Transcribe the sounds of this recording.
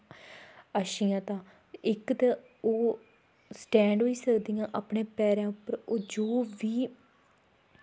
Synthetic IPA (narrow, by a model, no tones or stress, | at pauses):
aʃiːãːt̪ãː | ɪkt̪e | oː | sʈɛ̃ːɳɖɦoːiːsəkd̪iːãːʔaːpɳeːpɛːɾãːʊpːəɾoːd͡ʒoːʋiː